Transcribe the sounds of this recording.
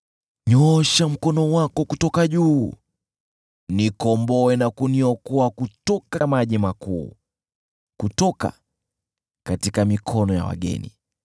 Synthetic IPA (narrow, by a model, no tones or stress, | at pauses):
ɲɔʃam̩kɔnɔwakɔkutɔkaʄuː | nikɔmbɔɛnakuniɔkɔakutɔkamaʄimakṵː | kutɔka̰ | katikamikʰɔnɔja̰wa̰ɠɛ̰nḭ